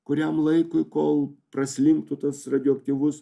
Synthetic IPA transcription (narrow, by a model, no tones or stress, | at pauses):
kʊɾʲɛmlˠɐɪkʊɪkoːlˠpɾɐsʲlʲɪŋk̚t̪ʊt̪ɐsrɐd̪ʲɔːɐk̚t̪ʲiʋʊs